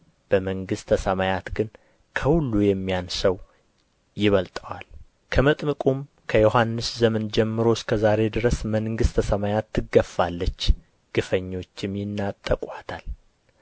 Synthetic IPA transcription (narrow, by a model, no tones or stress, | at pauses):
b̥əməŋɡɨst̪ʰəsəmajat̪ɡɨn | kʰəhulːujɛmːijansəw | jɪβəlt̪ʼəwal | kʰəmət̪ʼmɨkʼum | kʰəjo̞ɦanːɨszəmənd͡ʒɛmːɨɾo̞skʰəzaɾe̞d̪ɨɾəsməŋɡɨst̪ʰəsəmajat̪ʰːɨɡəfːalːət͡ʃː | ɡ̥ɨfəɲːo̞t͡ʃːɪmjɪnːat̪ʼːəkʼat̪ʰal